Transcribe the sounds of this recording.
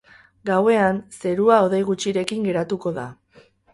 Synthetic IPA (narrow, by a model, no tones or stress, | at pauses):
ɡawe̞anse̞ɾuao̞ðe̞jɣ̞ut͡ʃiɾe̞kiŋɡe̞ɾat̪uko̞ða̰